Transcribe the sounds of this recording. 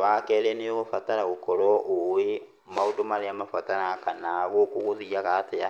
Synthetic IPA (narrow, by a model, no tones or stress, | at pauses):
βakeleniɣofatalaɣukoloʔuwe | maudomalijamafataɾakanaɣokuɣuzijakatea